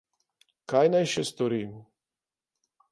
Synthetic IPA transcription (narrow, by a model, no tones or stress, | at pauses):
kajnajʃɛst̪ɔɾiːm